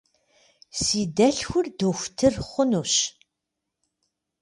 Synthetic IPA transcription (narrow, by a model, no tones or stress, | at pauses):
siːdɐɬxʷʊrdoxʷtʰɨrχʷʊnuːɕ